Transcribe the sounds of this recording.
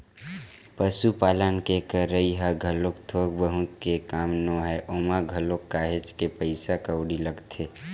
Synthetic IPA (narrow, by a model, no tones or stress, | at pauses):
pəsupaːlənkekəɾəiɦaɡʱəlokt̪ʰoːɡbəɦũkekaːmnoɦɛʔoːmaɡʱəlokːaːɦet͡ʃkepəɪsakəwɽiləɡt̪ʰe